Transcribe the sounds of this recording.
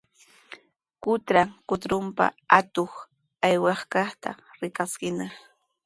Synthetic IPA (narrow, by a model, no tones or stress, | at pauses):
kʊt̪ɾaŋkʊt̪ɾʊmpa̰at̪oχ | ajwɑχkɑχt̪a̰ | ɾɪkaskɪna